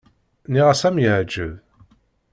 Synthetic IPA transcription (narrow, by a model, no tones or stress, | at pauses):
niʁasæmjʕd͡ʒəð